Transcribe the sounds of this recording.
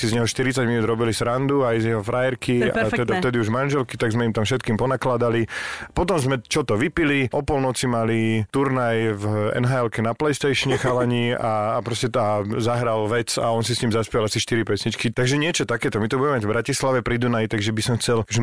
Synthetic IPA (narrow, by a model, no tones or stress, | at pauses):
sizɲɛɦɔʃt̪iɾit͡saɟminuːd̪ɾɔbilisɾand̪uajzjɛɦɔfɾajɛɾkia̰t̪ɛd̪aft̪ɛd̪iuʒmanʒɛlkit̪aɡzmɛimt̪amfʃɛt̪̚kiːmpɔnaklad̪alipɔt̪ɔmzmɛt͡ʃɔt̪ɔʋipiliʔɔpɔlnɔt͡simalit̪uɾnajvɛ̰nɦaɛlkɛnaplɛjst̪ɛjʃɲɛxaʋaɲiːaːpɾɔscɛazaɦɾalʋɛt͡sa̰ɔns̬isɲiːmzaspiɛlasiʃt̪iɾipɛsɲit͡ʃkit̪aɡʒɛɲɪɛt͡ʃɔt̪akɛːt̪ɔmit̪ɔbuɟɛmɛmaɟvbɾacislaʋɛpɾid̪unajt̪aɡʒɛbisɔmxt͡sɛlkʒɛ